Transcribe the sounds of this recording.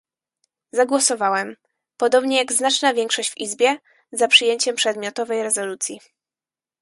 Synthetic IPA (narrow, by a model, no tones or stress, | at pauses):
zaɡwɔsɔvawɛm | pɔd̪ɔbɲɛjaɡznat͡ʂnavʲjɛŋkʂɔɕd͡ʑvizbʲjɛ | zapʂɨjeɲt͡ɕɛmpʂɛd̪mʲjɔt̪ɔvɛjɾɛzɔlut̪sʲji